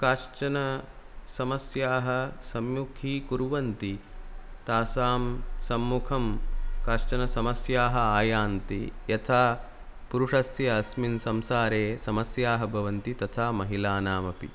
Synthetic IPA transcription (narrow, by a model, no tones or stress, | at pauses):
kaːʃt͡ʃɐnɐ | sɐmɐsjaːɦɐ̆sɐmjukʰiːkuɾʋɐnt̪it̪aːsaːmsɐmːukʰɐmkaːʂt͡ʃɐnɐsɐmɐsjaːɦɐaːjaːnt̪ijɐt̪ʰaː | puɾuʂɐsjɐːsminsɐmsaːɾeːsɐmɐsjaːɦɐ̆bʱɐʋɐnt̪it̪ɐt̪ʰaːmɐɦilaːnaːmɐpḭ